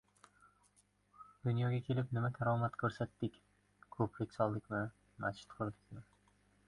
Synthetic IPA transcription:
d̪̥ʊnjɒɡʲakʲʰe̞lɪpnɪmat̪ʲʰaɾɒmat̪kʲʰɵɾsat̪ːɪkʲ | kʰɵpʰɾekʲsɒlˠd̪ɪkʲmɪ | mat͡ʃʰɪ̥t̪qʰʊɾd̪ɪkʲmɪ

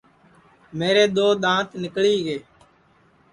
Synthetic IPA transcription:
meːɾeːɗ̪oːɗ̪ãːt̪nɪkɭiːɡeː

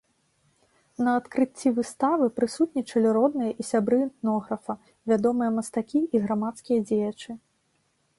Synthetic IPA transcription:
nɐat̪kɾɨt͡st͡sʲːivɨst̪avɨpɾɨsut̪̚nʲit͡ʂɐlʲiɾɔd̪nɨjɐʔisʲabɾɨːnt̪nɔɣɾɐfɐ | vʲad̪ɔmɨjɐmɐst̪akʲiʔiɣɾamat̪skʲijɐd͡zʲejɐt͡ʂɨ

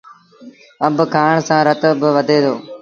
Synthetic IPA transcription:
əmbkʰaːɳsãːɾət̪bɪʋəd̪ʱeːd̪ʰoː

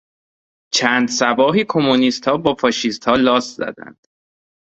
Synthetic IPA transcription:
t͡ʃʰæːnd̪sæbɒːɦiːkʰomuniːst̪hɒːbɒːfɒːʃist̪hɒːlɒːst̪zæ̰d̪æ̰nd̪̥

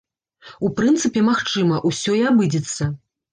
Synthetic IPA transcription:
upɾɨnt̪sɨpʲɛmaxt͡ʂɨmɐʔusʲɔiabɨd͡zʲɛt̪sːɐ

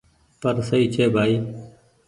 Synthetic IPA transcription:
pəɾsəiːt͡ʃʰeːbʱaːiː

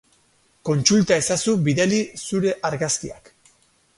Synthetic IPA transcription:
ko̞nt͡sult̪ae̞sasuβiðelisuɾe̞ʔaɾɣaskia̰k

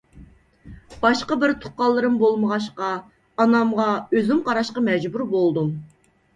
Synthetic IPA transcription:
b̥ɑʃqɑbɪɾt̪ʰu̥qɑlˠːɨɾɨmbolˠməʁɑʃ̬qɑ | ɑnɑmʁɑøzymqʰɑɾɑʃqɑmɛd͡ʒbuɾbolˠd̪um

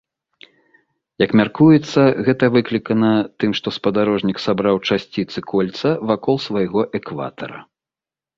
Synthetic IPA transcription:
jɐkmʲarkujɛt̪sːɐɣɛt̪ɐvɨklʲikɐnɐt̪ɨmʂt̪ɔspɐd̪aɾɔʐnʲiksabɾawt͡ʂasʲt͡sʲit̪sɨkɔlʲt̪sɐvakɔlˠsvajɣɔʔɛkva̰t̪ɐ̰ɾɐ̰

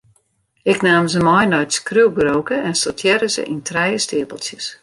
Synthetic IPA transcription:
ɪknaːmzəmɔjnɔjtskrywɡrowkəɛnsotʰjɛɾəzə̰ʔintrɛjəstɪəpəlˠsjəs

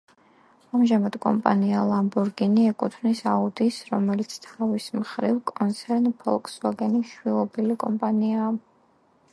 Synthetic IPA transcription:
amʒamad̪̥kʼɔ̰mpʼa̰nialˠambuɾɡiniɛkʼut̪ʰvnisaud̪isɾɔmɛlit̪sʰt̪ʰavismχɾivkʼɔnt̪sʰɛɾnpʰɔ̰lˠkʼsvaɡɛniʃwilˠɔbilikʼɔmpʼaniaː

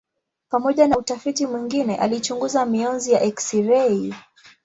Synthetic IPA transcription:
pamɔʄanautafitimwiŋɡinɛʔalit͡ʃuŋɡuzamiɔnzijaʔɛksiɾɛi

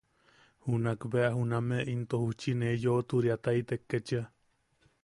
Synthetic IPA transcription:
hunakbeaɦunameʔint̪ohuht͡ʃinejoʔt̪uɾiat̪ait̪ekːet͡ʃə

